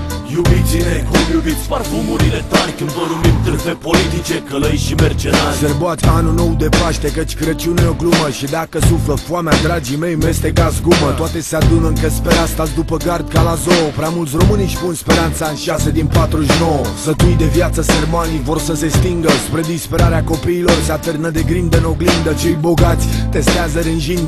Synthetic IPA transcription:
jubit̪sinekumjubit̪sʲparfumuɾilet̪aɾʲkɨnd̪vənumimt̪ɨpepolit̪it͡ʃekələjʃimert͡ʃenalserboat̪ʲanuno̞wd̪e̞paʃt̪e̞kət͡ʃʲkɨɾət͡ʃiuneo̞ɡluməʃid̪akəsufləfuamead̪ɾad͡ʒimejmest̪ekazɡumətt̪oat̪e̞sead̪unɨŋkəspeɾast̪azd̪upəɡard̪̚kalazoopɾeamult̪sʲro̞mɨniʃpunspe̞ɾant̪saɨnʃase̞d̪inpat̪ɾuʃnowəsət̪ujd̪e̞vjat̪səsermanivo̞rsəse̞st̪iŋɡəspɾe̞d̪ispe̞ɾaɾeako̞piːlo̞rseat̪ɨrnəd̪e̞ɡɾimd̪eno̞ɡlimd̪ət͡ʃe̞jbo̞ɡat̪sʲt̪e̞st̪eazəd̪enʒinʲ

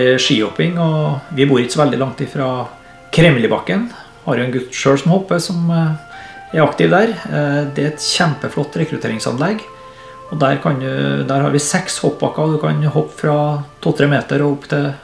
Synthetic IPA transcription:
ʂiːɔpɪŋɔʋɪbuːɾɪksɔʋɛld̪ɪ̰lɑŋt̪ʰiːfɾɑ | kʰɾɛmlɪbɑkːən | hɑɾjʉɛnɡʉt̪ːʂøːɽsɔmhɔpːəsɔm | æɾɑkt̪ɪʋd̪æɾd̪ɛæɾɛt̪çæmpəflɔt̪ːɾɛkɾʉt̪ʰḛːɾɪŋsɑ̰nlɛɡ | ɔd̪æɾkʰɑnjʉ̰d̪æːɾhɑ̰ɾʋɪsɛkshɔp̚ːbɑkːɑɔd̪ʉkʰɑ̰nhɔpːfɾɑt̪ʰuːt̪ʰɾeːmeːt̪əɾɔʊpːt̪ʰɪl

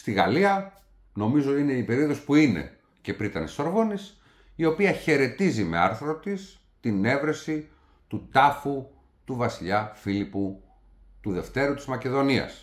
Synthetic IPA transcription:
st̪iɣɐ̰liɐ | no̞mizoine̞ipe̞ɾio̞ðospuine̞̰ | ce̞pɾit̪ɐ̰neso̞ɾvo̞nis | io̞piɐçe̞ɾe̞t̪izime̞̰ɐ̰ɾθɾo̞t̪is | t̪ine̞vɾe̞si | t̪ut̪ɐfu | t̪uvɐsiʎɐfilipu | t̪uðe̞ft̪e̞ɾut̪izmɐce̞ðo̞niɐ̰s

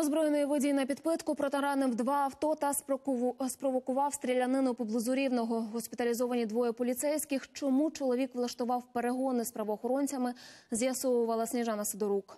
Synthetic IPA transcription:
ɔzbɾɔjenɔjiʋɪdʲijinɐpʲid̪pɪt̪kʊpɾɔt̪ɛɾɑnɪwd̪ʋɑːwt̪ɔt̪ɐsspɾɔʋɔkʊʋɑwst̪ɾʲilʲɐnɪnʊpɔblˠʊzʊɾʲiwnɔɦɔɦɔsʲpʲɪt̪ɐlʲizɔʋɐnʲid̪ʋɔjɛpɔlʲit̪sɛjsʲkɪxt͡ʃɔmut͡ʃɔlˠɔʋʲikʋlˠɐʃt̪ʊʋɑwpeɾeɦɔnɪspɾɐʋɔːxɔɾɔnʲt͡sʲɐmɪzʲjɐsɔʋʊʋɐlˠɐsʲnʲiʒɑnɐsɪd̪ɔɾuk

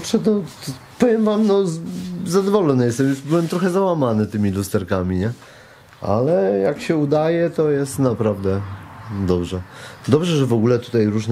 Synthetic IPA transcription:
pʂɛt̪ɔ | pɔvʲjɛmvamnɔzad̪ɔvɔlɔnɨjɛst̪ɛmjusbɘwɛmt̪ɾɔxɛzawamanɘt̪ɘmʲilust̪ɛɾkamʲiɲɛ | a̰lɛjakɕɛud̪ajɛt̪ɔjɛst̪napɾavd̪ɛd̪ɔbʐɛd̪ɔbʐɛʐɛvɔɡulɛt̪u̥t̪ajɾuʐn

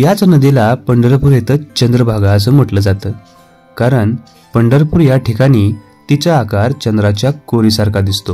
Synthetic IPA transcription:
jat͡snəd̪elapəɳɖəɾpuɾjet̪əːt͡ɕənd̪ɾəbʱaɡaəs̬əːm̤əʈləːd͡zat̪əː | kaɾəɳ | pəɳɖəɾpuːɾjaʈʰikaɽ̃iː | t̪it͡səakaɾt͡ɕənd̪ɾat͡ɕjakoɾisaɾkad̪ist̪o

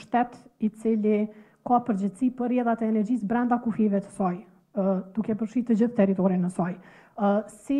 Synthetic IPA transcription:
ʃt̪ɛt̪it͡sili | kapəɾd͡ʑɛt̪sipərɛðat̪ɛːnɛɾd͡ʑisbɾɛnd̪akufivɛt̪ə̥sɔj | d̪̥ukɛpəɾʃiɾt̪əd͡ʑiθt̪ɛɾit̪ɔɾinəsɔj | si

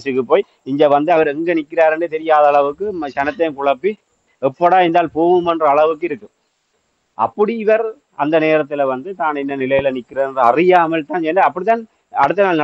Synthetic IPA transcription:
sɯkːɯpːoːj | ɪɲɡɐʋɐnd̪ɯɐʋɐɾɛŋɡɐnɪkːɪraːɾɛɳɖɯt̪ɛɾɪjaːðɐːɭɐʋɯkːɯmt͡ʃɐnɐt̪ːɐjkʊɭɐpːi | ɛpːɔɽaːɛnd̪aːlpoːʋɯmɛndrɐɐɭɐʋɯkːɯɪɾɯkːɯm | ʔɐ̰pːɐɽiɪʋɐɾ | ɐ̰nd̪ɐneːɾɐt̪ːɪlɐʋɐnd̪ɯt̪aːnɛnːɐnɪlɐjɪlɐnɪkːɪrɐnrɯɐrɪjaːmɐlt̪aːnt͡ʃɛnːɖaɐpːɐɽɪt̪ːaːn | ɐɽɯt̪ːɐnaːlnɐ

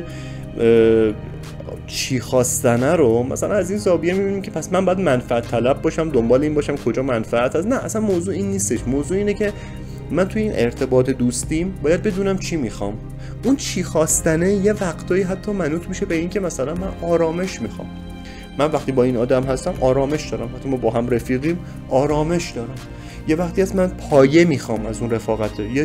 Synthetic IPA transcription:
t͡ʃʰiːxɒːst̪ænæɾomæ̰sælænæziːnzɒːbijemibinimcʰe̞pʰæsmænmbɒːjæd̪mænfææt̪ʰːælæb̚bɒːʃæmd̪ombɒːleiːnbɒːʃæmkʰo̞d͡ʒɒːmænfææt̪ʰhæsnæʔːsænmoːzuːiːnːiːst̪e̞ʃmoːzuːiːne̞cʰe̞ | mænt̪ʰujeiːnʔe̞ɾt̪ʰe̞bɒːt̪ʰed̪uːst̪imbɒːjæd̪̚be̞d̪uːnæmt͡ʃʰiːmixɒ̰ːm | ʔunt͡ʃʰiːxɒːst̪æneje̞væqt̪ʰɒːiːɦæt̪ʰːɒːmænuːt̪ʰmiʃe̞beiːncʰemæsælænmænɒːɾɒːme̞ʃmiːxɒ̰ːmː | ænvæχt̪iːbɒːiːnɒːd̪æmɦæst̪æmʔɒːɾɒːme̞ʃd̪ɒːɾæmhæt̪ʰːimɒːbɒːɦæmɾefiːɣiːm | ɒːɾɒːme̞ʃd̪ɒːɾæm | je̞væχt̪iæsmænpʰɒːje̞miːxɒːmæzunre̞fɒːɣæt̪ʰeje

